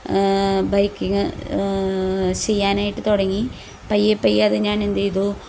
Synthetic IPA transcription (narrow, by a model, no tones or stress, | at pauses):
bɐjkːiŋːɨ | t͡ɕe̞jːaːnaːjiʈːɨt̪oɽɐŋːi | pɐjːepːɐjɐðɨɲaːnend̪eiðo